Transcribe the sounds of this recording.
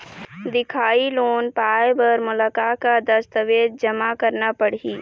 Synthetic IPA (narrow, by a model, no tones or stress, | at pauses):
d̪ɪkʰaːiloːnpaːjebəɾmʊləkakad̪əst̪əʋeːd̪̚d͡ʒəmakəɾnapəɽiː